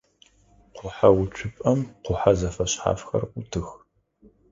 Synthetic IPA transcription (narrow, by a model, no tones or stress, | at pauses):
qʷʊħawʊt͡ʃʷʰʊpʼɐmqʷʊħazɐfɐɕħa̰ːfxɐ̰rʷʼʊtʰɨx